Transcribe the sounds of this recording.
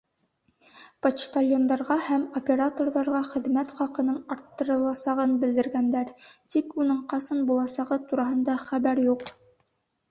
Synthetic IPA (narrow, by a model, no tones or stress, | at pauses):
poʃt̪alʲjo̞nd̪ɑɾʁɑhæmopʲe̞ɾat̪o̞rðɑɾʁɑχɘ̆ðmæt̪χɑqɤ̆nɤɴɑɾt̪ːɤ̆ɾɤ̆lˠɑsɑʁɤnbɘ̆ld̪ɘ̆ɾɡænd̪æɾt̪ikunɤɴqɑsɤnbulˠɑsɑʁɤt̪uɾɑɦɤ̆nd̪ɑχæβæɾjuq